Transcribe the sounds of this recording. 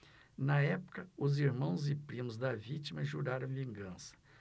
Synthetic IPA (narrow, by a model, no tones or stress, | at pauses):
nɐɛpʊ̥kɐʊziɾmɐ̃w̃zɪpɾĩmʊzd̪ɐvit͡ʃimɐʒuɾaɾɐ̃w̃vĩŋɡɐ̃sɐ̥